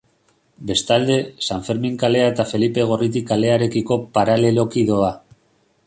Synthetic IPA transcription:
be̞st̪ald̪e̞saɱfe̞ɾmiŋkale̞aet̪afe̞lipe̞ɣ̞o̞rit̪̬ikale̞aɾe̞kiko̞paɾale̞lo̞kiðo̞a

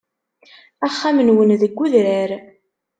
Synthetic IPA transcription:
æχːamənwənðəɡːuðɾæɾ

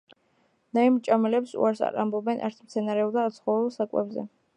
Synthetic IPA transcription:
naimt͡ʃʼamɛlɛpsṵaɾsa̰ɾa̰mbɔbɛnʔa̰ɾt̪ʰmt̪sʰɛnaɾɛɔbd̪aːt̪sʰχɔvɾulˠsakʼwɛ̰bzɛ̰

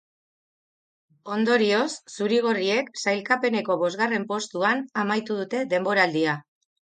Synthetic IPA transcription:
o̞nd̪o̞ɾio̞sːuɾiɣ̞o̞rie̞ksajlkape̞ne̞ko̞βo̞zɣare̞mpo̞st̪uanamajt̪uð̞ut̪e̞d̪e̞mbo̞ɾaːld̪ia

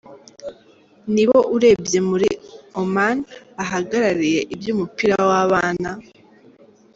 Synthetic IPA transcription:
niβo̞ʔuɾe̞ːbje̞muɾiomanaɦaɡaɾaɾije̞ʔibjuːmupiɾawaβaːna

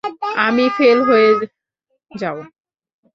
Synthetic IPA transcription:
amifelɦoe | d͡ʑabo

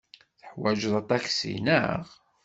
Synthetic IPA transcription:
θəħwæʒəðˤɑt̪æksḭnə̰ʁ

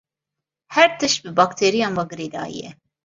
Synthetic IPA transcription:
hɛɾt̪ʰɨʃbɨbɑːkt̪ʰeːɾijɑːnwɑɡɨɾeːd̪ɑ̰ːjḭjɛ̰

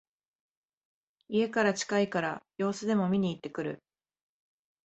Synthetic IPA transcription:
ie̞kaɾat͡ɕi̥kaikaɾajo̞ːsɨd̪e̞mo̞mʲiɲ̟iːt̪ːe̞kɯ̟ɾɯ̟̰

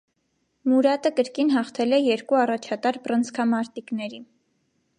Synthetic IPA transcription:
muɾɑt̪əkəɾkinɦɑχt̪ʰɛlɛjɛɾkuɑrɑt͡ʃʰɑt̪ɑɾbrənt͡sʰkʰɑmɑɾt̪iknɛɾi

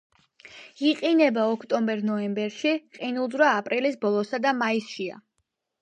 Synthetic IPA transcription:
iqʼinɛbaɔkʰt̪ʼɔmbɛɾnɔɛmbɛɾʃiqʼinulˠzɾaːpʼɾilisbɔlˠɔsad̪amaisʃia̰

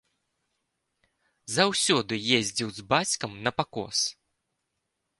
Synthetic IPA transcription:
zawsʲɔd̪ɨjezʲd͡zʲiwzbat͡sʲkɐmnɐpakɔ̰s

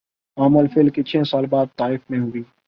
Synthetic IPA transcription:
aːməlfɪlkit͡ʃʰɛ̃ːsaːlbaːd̪̚t̪aːɪfmẽɦʊiː

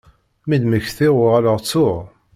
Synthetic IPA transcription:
mid̪məçθiʁʊʁaləʁt͡sːʊʁ

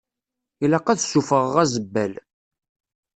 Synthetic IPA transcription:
ilɑqæðsufəʁːæzəbːæl

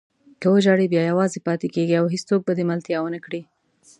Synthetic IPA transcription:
kəwəd͡ʒɑɽibjɑjawɑzepɑt̪ekeɡiawɦist͡sok̚bad̪emalt̪jɑwənəkɽi

